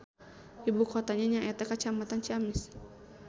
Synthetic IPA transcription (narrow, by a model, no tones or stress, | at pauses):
ibukɔt̪aɲaɲaʔɛt̪akat͡ʃamat̪ant͡ʃiamɪs